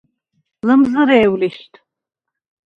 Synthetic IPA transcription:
lɐmzɨɾeːwliʃtʰʼ

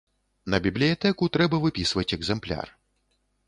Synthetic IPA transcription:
nɐbʲiblʲijat̪ɛkut̪ɾɛbɐvɨpʲisvɐt͡sʲɛɡzɛmplʲa̰r

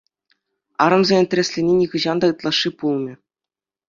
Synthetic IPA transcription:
ɑ̰ɾɤ̆mzʲenʲet̪ʲɘ̆esʲlʲenʲenʲiɣɯ̆ʑɑnd̪ɑɯt̪lˠɑʂːipulˠmʲɘ̆

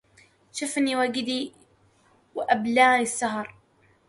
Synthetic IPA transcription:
ʃʊfniːwaɡɪd̪iː | wɪʔablaːnisːaɦɑɾˤ

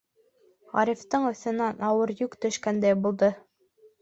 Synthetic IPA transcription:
ʁɑ̰ɾʲift̪ɤɴɵ̆θɘ̆nænɑwɤɾjʉkt̪ɵ̆ʃkænd̪æjbulˠd̪ɤ

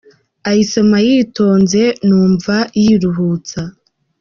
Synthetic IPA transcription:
ahisomajiːto̞ːnze̞nuːɱvajiːɾuɦuːt͡sa

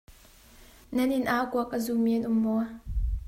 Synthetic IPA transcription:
nɛnʔɪnʔaːkuɐk̚ʔazuminʔʊmːɔ

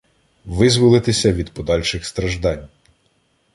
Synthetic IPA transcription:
ʋɪzʋʊlˠɪt̪ɪsʲɐʋʲid̪pɔd̪ɑlʲʃɪxst̪ɾɐʒd̪ɑnʲ

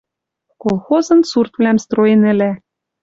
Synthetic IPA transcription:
kolˠxozɤ̆nsurt̪vlæmst̪rojenɘ̆læ

